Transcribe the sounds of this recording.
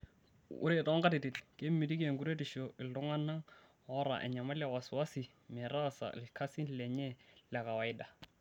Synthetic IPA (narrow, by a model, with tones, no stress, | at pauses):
ʊ̰˦ɾe˦˨tɔ˦ŋka˦ti˨ti˨lke˦mi˨di˦ki˦ɛ˨ŋɡu˦ɾe˦tɪ˨ʃo˨ʔɪ˨lʊ˦ŋa˦na˦ŋ | hɔ˦ɾa̰˨ʔɛ̰˨ɲa˨ma˦la˨wa˨swa˦sɪ˨ | mɛ˨ɾa˦sa̰˨lɪkʰa˦si˦nlɛ˨ɲɛ˦lɛ˨ka˨wa˨ɪ˦da˨